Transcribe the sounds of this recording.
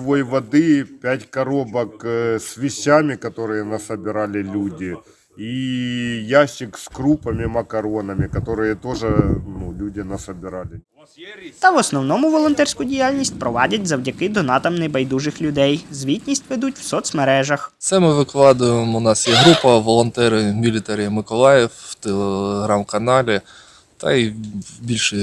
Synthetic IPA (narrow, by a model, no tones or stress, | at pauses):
ʋojʋɐd̪ɪpʲætʲkɐɾobɐksʋʲɪɕʲamʲɪkɐt̪o̞ɾɨjɛnɐsɐbʲɪɾalʲɪlʲudʲɪ | i | jaɕːɪkskɾupɐmʲɪmɐkɐɾo̞nɐmʲɪkɐt̪o̞ɾɨjɛt̪o̞ʐɨnulʲudʲɪnɐsəbʲɪɾalʲɪ | t̪ɐʋɔsnɔwnɔmʊʋɔlˠɔnt̪ɛrʲsʲkʊdʲijalʲnʲisʲt̚ʲpɾɔʋɑdʲɐtʲzɐwdʲɐkɪd̪ɔnɑt̪ɐmnɪjbɐjd̪uʒɪxlʲʊd̪ɛjzʋʲitʲnʲisʲtʲʋɛd̪utʲw̥sɔt̪smeɾɛʒɐxt̪sɛmɪʋɪklˠɑd̪ʊjɪmʊnɑsjɛɦɾupɐʋɔlˠɔnt̪ɛɾɪmʲilʲɪt̪ɛɾʲɪjmɪkɔlˠɑjɛwt̪elˠeɦɾɑmkɐnɑlʲɪ | t̪ɐ̰ibʲilʲʃɨ